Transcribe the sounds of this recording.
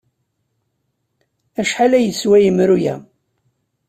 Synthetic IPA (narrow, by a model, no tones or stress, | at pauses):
æʃħalæjəswæjəmɾujæ̰